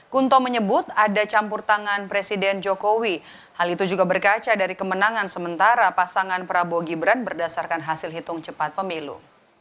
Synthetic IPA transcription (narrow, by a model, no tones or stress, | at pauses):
kunt̪ɔməɲəbʊt̪adat͡ʃampʊrt̪aŋanpɾesidɛnd͡ʒokowi | halit̪ud͡ʒuɡabərkat͡ʃadaɾikəmənaŋansəmənt̪aɾapasaŋanpəɾaboɡibɾanbərdasarkanɦasɪlɦit̪ʊŋt͡ʃəpat̪̚pəmilṵ